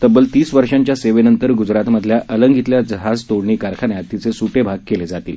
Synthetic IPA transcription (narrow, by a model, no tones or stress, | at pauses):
t̪əbəlt̪iːsʋəɾʂaɲt͡ɕjaseʋenənt̪əɾɡud͡zɾat̪məd̪ʱljaʔələŋɡʱit̪ljad͡zəɦad͡zt̪oɽɳiːkaɾkʰanjat̪ːit͡sesuʈebʱaɡ̚keled͡zat̪iːl